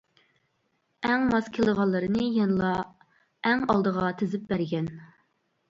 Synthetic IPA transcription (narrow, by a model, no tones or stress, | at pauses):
ɛŋmɑskʲʰelˠəʁɑnlˠːɨɾɨnɨjɛnlˠɑ | ɛŋɑlˠd̪əʁɑt̪ʰezɪp̚bæɾɡʲɛn